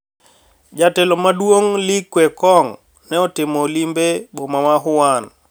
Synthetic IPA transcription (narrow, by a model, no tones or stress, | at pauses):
d͡ʒatɛlɔmadwoŋlikwɛkɔŋ | nɛɔtɪmɔlimbebomawaɦʊwan